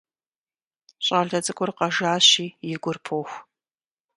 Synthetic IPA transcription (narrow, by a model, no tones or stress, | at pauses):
ɕʼaːɮɐt͡sʼɨkʷʼʊrqɐʒaːɕiːjɪɡʷʊrpʰoːxʷ